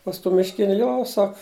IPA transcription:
pɐs ˈtuː mʲɪʃʲˈkʲɪnʲʊ ˈjoː ˈsɐk

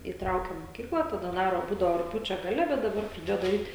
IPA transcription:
iːˈtrɐʊkʲɛm moːˈkʲiːklˠɐ tɐˈdɐ ˈdɑːroː ˈbuːdɐoː rʊkˈpʲjuːt͡ʃʲoː ɡɐˈlʲɛ bʲɛt dɐˈbɐr prɐˈdʲeːjoː dɐˈrʲiːt

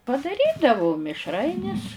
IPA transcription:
pɐdɐˈrʲiːdɐʋʊ mʲɪʃˈrɐɪnʲɪs

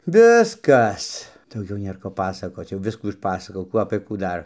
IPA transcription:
ˈʋʲɪskɐs dɐʊˈɡʲɛʊ ˈnʲeːr ˈkoː ˈpɑːsɐkoːt͡s jɛʊˈʋʲɪskuː ɪʃˈpɑːsɐkoːjɛʊ ˈkuː ɐpɘ kuː ˈdɐr

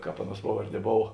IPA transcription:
ˈkɑːp ˈɑːˌnuɔs ˈpɑːʋɐrʲˌdʲiɛ ˈboːw

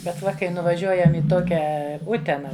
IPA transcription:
bʲɛt ˈʋɐ kɐɪ nʊʋɐˈʒʲuɔjɛm ɪ ˈtoːkʲɛ ˈʊtʲɛnɐ

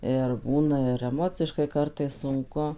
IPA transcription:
ɪr ˈbuːnɐ ɪr ɛˈmoːt͡sʲɪʃkɐɪ ˈkɐrtɐɪs sʊŋˈkʊ

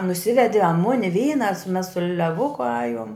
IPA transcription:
nʊˈsʲɪʋʲɛdʲɪ ɐ ˈmʊnʲɪ ˈʋʲiːnɐ ɐ sʊ mʲɛs sʊ lʲɛˈʋʊkʊ ˈɑːjuɔm

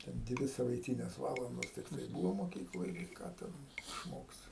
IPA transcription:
tʲɛn ˈdʲʋʲɪ sɐʋɐɪˈtʲiːnʲeːs ˈʋɑːlˠɐndoːs tʲɪkˈtɐɪ ˈbuːʋoː moːˈkʲiːklˠoːj ɡʲɪ ˈkɑː ˈtʲɛn ɪʃˈmoːksʲɪ

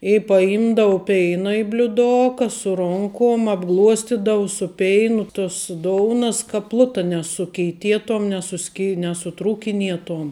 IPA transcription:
ɪ pɐˈɪmdɐʋʊ ˈpʲɛɪnɐ ɪ bʲlʲʊˈdoːkɐ sʊ ˈroːŋkoːm ɐbˈɡlˠuɔsʲtʲɪdɐʋʊ sʊ ˈpʲɛɪnʊ tʊs ˈdoːʊnɐs kɐ ˈplˠʊtɐ nʲɛsʊkʲɛɪˈtʲiɛtoːm nʲɛsʊˈsʲkʲɪ nʲɛsʊˈtruːkʲɪnʲiɛtoːm

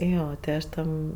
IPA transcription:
ˈjoː tʲɪ ˈɐʃ ˈtʲɛn

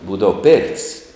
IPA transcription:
ˈbuːdɐʋɐ pʲeːrʲtʲsʲ

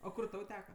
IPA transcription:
oː ˈkʊr ˈtɐʊ ˈtʲæːkɐ

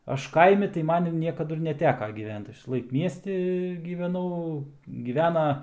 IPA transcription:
ˈɐʃ ˈkɐɪmʲɪ tɐɪ ˈmɐn jɛʊ ˈnʲiɛkɐdʊ ɪr nʲɛˈtʲæːkɐ ɡʲiːˈʋʲɛnt ˈɐʃ ʋʲɪsɐˈlˠɐɪk ˈmʲiɛsʲtʲɪ ɡʲiːʋʲɛˈnɐʊ ɡʲiːˈʋʲæːnɐ

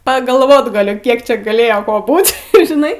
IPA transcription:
pɐɡɐlˠˈʋoːt ɡɐˈlʲʊ ˈkʲiɛk t͡ʃʲɛ ɡɐˈlʲeːjoː ˈkoː ˈbuːtʲ ɪr ʒʲɪˈnɐɪ

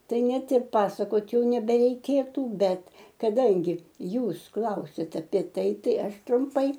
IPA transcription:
ˈtɐɪ ˈnʲɛt ɪr ˈpɑːsɐkoːt ˈjɛʊ nʲɛbʲɛrʲɛɪˈkʲeːtuː ˈbʲɛt kɐˈdɐŋʲɡʲɪ ˈjuːs ˈklˠɐʊsʲɛtʲɛ ɐpʲiɛ ˈtɐɪ ˈtɐɪ ˈɐʃ trʊmˈpɐɪ

